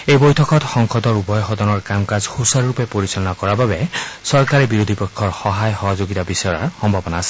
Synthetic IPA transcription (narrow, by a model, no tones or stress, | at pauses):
ejbojtʰɔkɔtxɔŋkʰɔdɔɹubɔjɔxɔdɔnɔɹkamkazxusaɹɹupɛpoɹisɔlɔnakɔɹababɛsɔɹkaɹɛbiɹod̪ʱipɔkʰːɔɹxɔɦajxɔɦɔzoɡitabisɔɹa̰ɹxɔmbʱabɔnaːsɛ̥